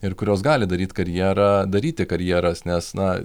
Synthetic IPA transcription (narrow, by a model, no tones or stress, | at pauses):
ɪrkʊɾʲoːsɡɑːlʲɪd̪ɐɾʲiːt̪kɐɾʲjiɛɾɑd̪ɐɾʲiːt̪ʲɪkɐɾʲjiɛɾɐsnʲɛsnɐ